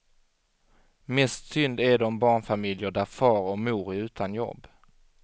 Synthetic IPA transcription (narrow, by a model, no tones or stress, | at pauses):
mɛst̪sʏnd̪æɖɔmbɑːɳfamɪljəɖæɾfɑːɾɔmuːɾɪʉ̟ːt̪ʰanjɔ̰bː